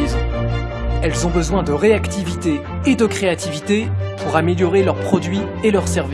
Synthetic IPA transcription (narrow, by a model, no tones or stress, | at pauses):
iz | ɛlzɔ̃bəzwɛ̃d̪əʁeakt̪ivit̪eː | d̪əkχeat̪ivit̪epuʁameljɔʁelœʁpχɔd̪ɥi | elœʁsɛʁv